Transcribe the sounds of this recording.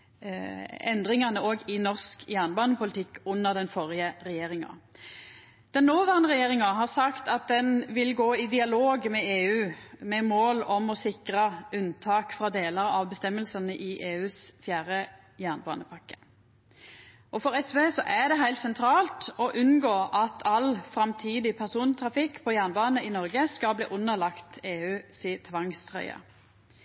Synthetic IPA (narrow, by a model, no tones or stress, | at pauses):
ɛnd̪ʁɪŋɑnəoːɡɪnɔʁskjæːʁnbɑːnəpʊlɪt̪ʰɪkːʊnːəʁd̪ɛnfɔʁɪəʁɛjeːɾɪŋɑ̰ | d̪̥ɛnːoːʋæʁnəʁɛjeːʁɪŋɑɦɑʁsɑkt̪ɑt̪̚d̪ɛnʋɪlɡoːɪd̪ɪɑloːɡmɛeːʉːmɛmoːlɔmɔsɪkʁɑʉnt̪ʰɑːkfʁɑːd̪eːləʁɑʋbɛst̪ɛmːəlsənəʔɪʔeːʉːsfjæːʁə | jæːʁnbɑ̰ːnəpʰɑkːə̥ | ʔɔfɔɾɛsʋeːsɔʔæd̪ɛɦæɪlt̪sɛnt̪ʰɾɑːlt̪ɔʔʉnɡoːʔɑt̪ʰɑlfɾɑmt̪ʰiːd̪ɪpʰæʁsuːnt̪ʰɾɑfɪkːpʰɔjæʁnbɑːnəɪnɔʁɡəskɑlblḭːʔʊnəʁlɑkt̪eːʉːsiːt̪ʰʋɑŋst̪ʰʁœ̰ʏɑ̰